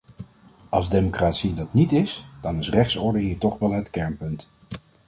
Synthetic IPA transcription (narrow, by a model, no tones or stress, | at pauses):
ɑlˠzdemokraːtsidɑtnitɪsd̥ɑnɪsrɛχsɔɹdəɦiːɹtɔχʋɛlˠɦətkɛɹnpɵnt